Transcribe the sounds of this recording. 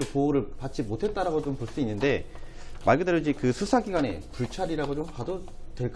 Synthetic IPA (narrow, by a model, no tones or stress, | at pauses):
epooɾɯɭpat͡ɕ͈imotʰe̞t̚t͈aɾaɡot͡ɕompoɭs͈uinːɯnde̞ | maɭɡɯdaɾod͡ʑikɯsʰusʰaɡiɡwane̞̰puɭt͡ɕʰaɾiɾaɡot͡ɕomkado | twe̞ɭk͈